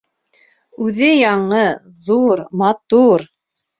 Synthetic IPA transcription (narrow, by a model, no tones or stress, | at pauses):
ʉðɘjɑɴɤ | ðuɾmɑt̪uɾ